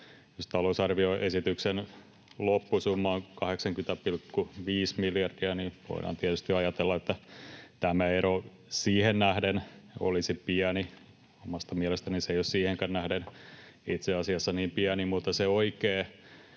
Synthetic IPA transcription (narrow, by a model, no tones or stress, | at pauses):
jost̪ɑlousɑrʋioesit̪yksen | lopːusumːɑːŋkɑheksɑŋkynt̪æpilkːuʋiːsmiljɑrd̥iæniʋo̰iɾɑ̰ːnt̪iæt̪yst̪iɑjɑt̪elːɑet̪ːæt̪æmæeɾo | siːhennæhdeno̰lisipiæni | omɑst̪ɑmiælest̪æniseijossiːheŋkænnæhden | it̪seɑsiɑsːɑniːmpiænimut̪ːɑseoikeː